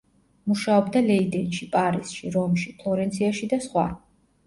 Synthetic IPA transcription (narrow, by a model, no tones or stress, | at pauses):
muʃaɔbd̪alɛid̪ɛnʃipʼaɾisʃiɾɔmʃipʰlˠɔɾɛnt̪sʰiaʃid̪asχwa̰